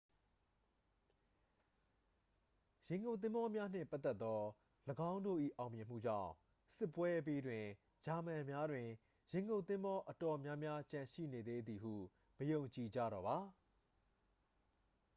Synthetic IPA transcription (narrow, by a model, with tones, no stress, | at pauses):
jɛ̃˨ŋɡõ˨t̪̬ɪ̃˦mbɔ˦mja˦n̥ɪ̰̃˦˨mpa˦t̪ːɛ˦t̪ːɔ˦ | ləɡã˦ʊ̃ndo̰˦˨ʔḭ˦˨ʔã˨ʊ̃mjɪ̃˨m̥ṵ˦˨d͡ʑã̰˦˨ʊ̃ | sɪ˦pːwɛ˦ʔp̬i˦dwɪ̃˨ | d͡ʑa˨mã˨mja˦dwɪ̃˨ | jɪ̃˨ŋɡõ˨t̪ɪ̃˦mbɔ˦ʔə˨tɔ˨mjã˦mja˦t͡ɕã˨ʃḭ˦˨ne˨d̪e˦d̪i˨ɦṵ˦˨ | məjõ˨ʊ̃ɲt͡ɕi˨d͡ʑä̰˦˨ɾɔ˨ba˨